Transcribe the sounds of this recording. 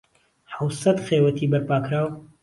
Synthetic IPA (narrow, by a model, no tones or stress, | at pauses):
ħawsɐt̪xeːwɐt̪ʰiːbɐɾpaːkɾaːw